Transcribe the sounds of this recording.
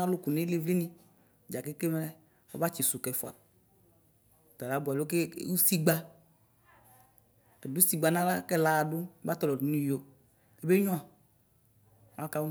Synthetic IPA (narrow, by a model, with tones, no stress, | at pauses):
ã˦lʊ˦ku˨ne˦le˦vli˦nĩ˦˨ | d͡ʒa˨ke˦ke˦m˦lɛ˦ | ɔ̰˦ba˦t͡ʃi˨su˨kɛ˨fo˦˨a̰˨ | t̪a˨la˨˦bu˨a˨lo˦ke˦u˦si˦ɡ͡ba˦ | e˨du˦si˦ɡ͡ba˨nã˦la˦kɛ˦la˦a˨ɖʊ˦ba˦t̪ɔ˦lɔ˨du˨˦nĩ˦jo˨˦ | e˨˦be˦ɲɔ̃˦a˨ | a˦ka˦w